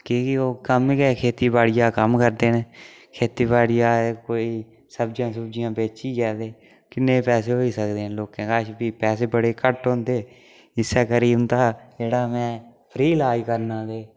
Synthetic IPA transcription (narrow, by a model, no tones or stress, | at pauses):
kikɪoːkəmkɛːkʰeːt̪iːbaːɽɪjaːkəmkəɾd̪eːne | kʰeːt̪iːbaːɽɪjaːekoːiː | səb̚d͡ʒjãːsəbd͡ʒɪjãːbeːt͡ʃiːkɛːd̪eː | kɪnːẽːpɛːseːɦoːiːsəkd̪eːnloːkẽːkaːʃbiːpɛːseːbəɽeːkəʈɦõnd̪eː | ɪsɛːkəɾiːʊnt̪aːd͡ʒeːɽaːmɛ̃ːpʰɾiːlaːikəɾnãːd̪eː